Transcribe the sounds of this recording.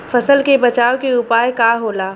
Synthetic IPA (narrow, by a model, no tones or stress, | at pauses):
fɐsəlkebɐt͡ʃaːokeʊpaːjkaɦoːlaː